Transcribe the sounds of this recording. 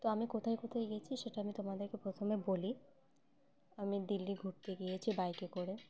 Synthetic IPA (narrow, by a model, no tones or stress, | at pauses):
t̪oamikot̪ʰajkot̪ʰajɡijet͡ɕʰiʃeʈaamit̪omad̪eɾkepɾot̪ʰomeboli | amid̪ilːiɡʱuʈ̚t̪eɡijet͡ɕʰibajkekoɽe